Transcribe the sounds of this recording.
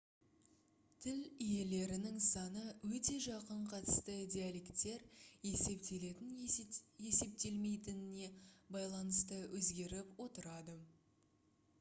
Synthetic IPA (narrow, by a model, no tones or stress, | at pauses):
t̪ʰɪlije̞le̞ɾɪnɪŋsɑnəwɵt̪e̞ʒɑqəɴqʰɑt̪ə̥st̪ədʲialʲe̞kt̪ːe̞ɾje̞se̞pt̪ele̞t̪ɪnje̞se̞p̚t̪e̞lme̞jt̪ɪnɪne̞bɑjlˠɑnəst̪əwʔɵzɡʲe̞ɾɪpwo̞t̪əɾɑd̪ə